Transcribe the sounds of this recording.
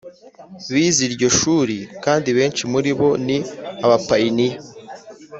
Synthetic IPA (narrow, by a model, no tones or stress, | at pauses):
βiːziɾɟo̞ʃuːɾikaːndiβe̞ːnt͡ʃimuɾiβo̞niaβapaini